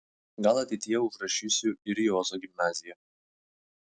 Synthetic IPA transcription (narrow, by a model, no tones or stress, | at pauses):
ɡɐlˠɐt̪ʲɛɪt̪ʲɪjɛʊʒɾɐʃʲiːsʲʊɪɾjoːzoːɡʲɪmʲnɑːzʲɪjɛ